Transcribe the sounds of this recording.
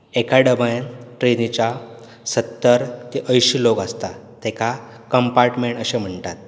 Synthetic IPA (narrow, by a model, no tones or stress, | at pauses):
ekaɖəbajnʈɾenit͡ɕa | sət̪ːəɾt̪iʔəjɕiːlokast̪a | t̪ɛkʰa | kəmpaɾʈmeɳʈəɕem̤əɳt̪at̪̚